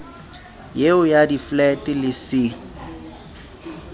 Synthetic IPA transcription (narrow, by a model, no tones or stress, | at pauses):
jeʊjadiflɛtʼɪlɪsɪ